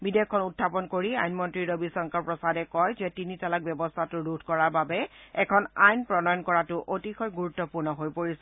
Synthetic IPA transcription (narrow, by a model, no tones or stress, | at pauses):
bidekʰːɔnutʰːapɔnkoɹia̰jnmɔntɹiɹobisɔŋkaɹpɹɔsadɛkɔjzɛtinitalak̚bjɛbɔstʰatʊɹudʱkɔɹaɹbabɛɛkʰɔnajnpɹɔnɔjɔnkɔɹatʊʔotixɔjɡuɹutːɔpuɹnɔɦojpoɹisɛ